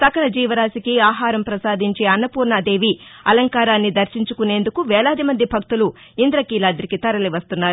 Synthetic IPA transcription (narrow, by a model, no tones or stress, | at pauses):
sɐkɐlɐd͡ʒiːʋɐɾaːsikiaːɦaːɾɐmpɾɐsaːd̪iɲt͡ʃeːɐnːɐpuːɾnad̪e̞ːʋiɐ̰lɐŋkaːɾaːnːid̪ɐɾʃiɲt͡ʃukune̞ːnd̪ukuʋɛːlaːd̪imɐnd̪ibʱɐk̚t̪ulu | ind̪ɾɐkiːlaːd̪ɾikit̪ɐɾɐliʋɐst̪unːaːɾu